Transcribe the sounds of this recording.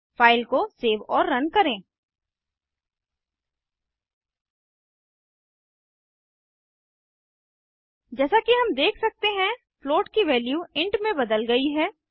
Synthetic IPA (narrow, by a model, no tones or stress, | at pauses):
faːɪlkoseːʋɔːɾːɐnkɐɾẽː | d͡ʒɛːsakiɦɐmd̪eːkʰsɐk̚t̪eɦɛ̃ | floːʈkiʋɛːljuːɪ̃ɳʈmẽbɐd̪əlɡɐiɦɛː